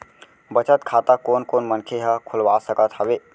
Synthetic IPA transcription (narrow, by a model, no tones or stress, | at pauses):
bət͡ʃət̪̚kʰat̪akonkonmənkʰeɦəkʰulʋasəkət̪ɦəbe